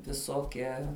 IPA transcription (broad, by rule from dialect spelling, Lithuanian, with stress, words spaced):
ʋʲɪˈsoːkʲɛ